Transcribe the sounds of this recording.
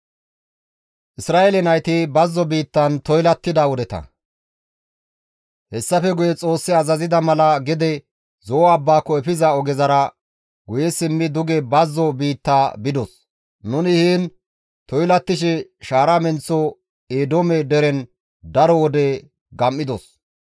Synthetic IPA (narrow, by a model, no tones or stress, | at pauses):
ʔɪsɾaːelɛnɐjt̪ɪbɐzːɔbiːt̪ːɐnt̪ɔjlɐt̪ːɪd̪ɐwɔd̪ɛt̪ɐ̰ | hɛsːɐfɛɡʊjɛt͡sʼo̞ːsːɪɐzɐzɪd̪ɐmɐlɐɡɛd̪ɛ | zɔɐbːaːkːɔɛfɪzɐɔɡɛzɐɾɐ | ɡʊjɛsɪmːɪd̪ʊɡɛbɐzːɔbiːt̪ːaːbɪd̪ɔs | nʊnɪhiːn | t̪ɔjlɐt̪ːɪʃ̬ɛʃaːɾɐmɛnt͡sːɔ | eːd̪omɛd̪ɛɾɛn | d̪ɐɾɔwɔd̪ɛ | ɡɐmːɪd̪ɔs